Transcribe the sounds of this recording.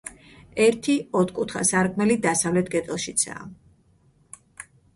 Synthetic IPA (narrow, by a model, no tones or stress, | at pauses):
ɛɾt̪ʰiɔt̪ʰkʼut̪ʰχa̰saɾkʰʼmɛlid̪asavlɛt̪ʰɡɛt̪ʼɛlˠʃit̪sʰa̰ː